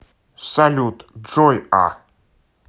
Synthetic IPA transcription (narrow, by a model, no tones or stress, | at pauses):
salʲut̪ʐɔja̰